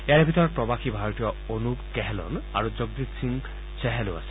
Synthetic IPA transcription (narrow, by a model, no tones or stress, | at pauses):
eaɹebʱit̪ɔɹɔt̚pɹɔbaxibʱaɹɔtijɔonupkɛɦɛlɔ̰na̰ɹuzoɡ̚d̪it̪siŋ | sɛɦɛlʊ̰a̰sɛ̥